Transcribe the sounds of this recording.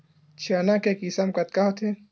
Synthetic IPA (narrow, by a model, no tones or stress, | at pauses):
t͡ʃʰiaːnakekisamkɐt̪̚kaɦot̪ʰe